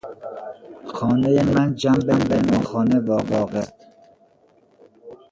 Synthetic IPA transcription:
xɒːnejemænd͡ʒæmbembenɒːxɒːnevɒːɢɒːɢet̪

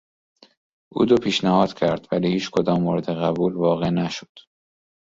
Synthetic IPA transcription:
ʔṵːd̪opʰiːʃnæhɒːd̪̥cʰæɾd̪̥væliːhiːt͡ʃkʰod̪ɒːmːoɾed̪eɣæbuːlvɒːɣe̞næʃo̥d̪̥

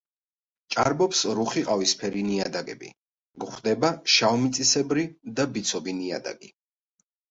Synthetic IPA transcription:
t͡ʃʼaɾbɔpsɾuχiqʼavispʰɛɾiniad̪aɡɛ̰bḭ | ɡχd̪ɛbaʃaɔmit̪sʼisɛbɾid̪abit̪sʰɔbinia̰d̪a̰ɡi

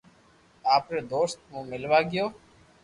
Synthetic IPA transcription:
aːpɾeːd̪oːst̪mũːmɪlʋaːɡɪjoː

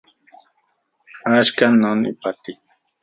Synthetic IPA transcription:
at͡ʃkanonɪ̰pat̪ɪ

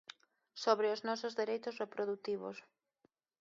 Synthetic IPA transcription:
soβɾeoznɔsozðeɾejt̪ʊsrepɾoðut̪iβo̰s

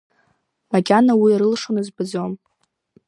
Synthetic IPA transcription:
maɡʲanawiaɾɨlʂonɨzbɨd͡zom

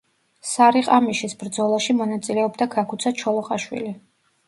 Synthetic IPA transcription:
saɾiqʼamiʃisbɾd̪zɔlˠaʃimɔnat̪sʼilɛɔbd̪aɡakʰut̪sʰat͡ʃʰɔlˠɔqʼaʃwḭli

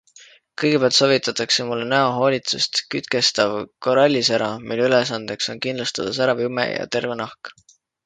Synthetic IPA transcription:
kɤjɡ̥epeæɑlt̪so̞ːvit̪ːˑɑt̪ːˑɑkse̞mulːenæoɦo̞ːlʲit̪sust̪kyt̪ke̞st̪ɑvko̞ɾɑlʲːisæɾɑmilːyle̞sɑnd̪̥e̞kso̞nkind̪lust̪ɑd̪̥ɑsæɾɑvume̞̰jɑ̰t̪e̞rve̞nɑhk

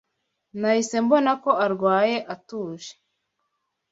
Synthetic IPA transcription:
nahise̞mbo̞nako̞aɾɡwaːje̞ʔatuːʒe̥

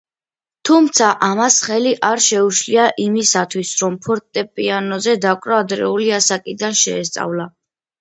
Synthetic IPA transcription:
t̪ʰumt̪sʰaʔamasχɛliʔaɾʃɛuʃliaʔimisat̪ʰwisɾɔmpʰɔɾt̪ʼɛpʼianɔzɛd̪akʼɾaːd̪ɾɛ̰uliasakʼid̪anʃɛːs̬t̪sʼa̰vlˠa

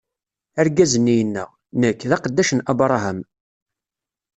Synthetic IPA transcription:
æɾɡæzənːijənːə̰ʁ | nəkːðɑqəd̪ːæʃənʔæbɾˤɑɦæm

